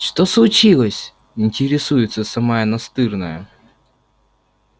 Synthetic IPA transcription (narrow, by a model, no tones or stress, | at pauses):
ʂt̪oslˠʊt͡ɕilˠəsʲ | ɪnʲtʲɪɾʲɪsujɪt̪səsɐmajənɐst̪ɨrnəjə